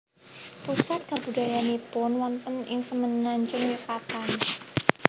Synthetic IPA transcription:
pusat̪̚kabṳdajanipʊnwɔnt̪ənɪŋsəmənaɲt͡ʃʊŋwikat̪an

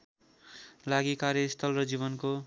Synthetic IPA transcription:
laɡikaɾjʌist̪ʰʌlrʌd͡ziβʌnko

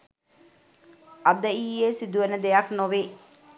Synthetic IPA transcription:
ad̪əiːeːsid̪uʋənəd̪ejaknoʋeː

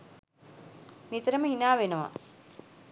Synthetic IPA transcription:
mit̪əɾəməɦinaːʋenəʋa̰

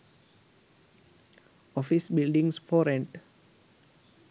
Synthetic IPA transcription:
ɔfisbilɖĩŋsfɔɾɛ̃nʈ

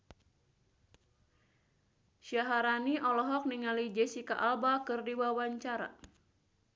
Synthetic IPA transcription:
ʃaɦaɾaniʔɔlɔɦɔk̚niŋalid͡ʒɛsikaʔalbakɨrdiwawaɲt͡ʃaɾa̰

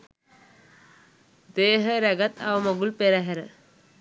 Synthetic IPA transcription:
d̪eɦəɾɛɡat̪ʰawmɐɡulpeɾaɦɛɾə

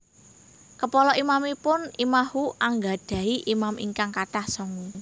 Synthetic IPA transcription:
kəpɔlɔʔimamipʊnimahuʔaŋɡad̥a̤iʔimamiŋkaŋkaʈahsɔŋu

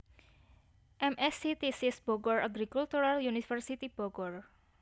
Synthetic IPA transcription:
ʔɛmʔɛsit̪isisb̥oɡɔraɡɾikult̪uɾaljunifərsit̪ib̥oɡɔr

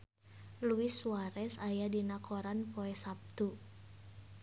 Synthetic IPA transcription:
luisuaɾɛsajadinakʰɔɾanpoɛsap̚t̪u

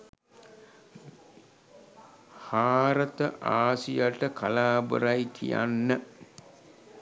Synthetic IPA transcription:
haːɾət̪əʔaːsijaʈəkʰalaːbə̰ɾajkʰija̰nːə

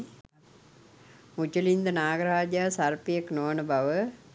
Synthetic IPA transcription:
mut͡ʃəlind̪ənaːɡəɾaːd͡ʒjaːsarpijeknoʋənəbaʋə

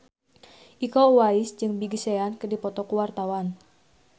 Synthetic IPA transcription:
ʔikowaisd͡ʒɨŋbiɡiseankədipɔt̪ɔkuwart̪awan

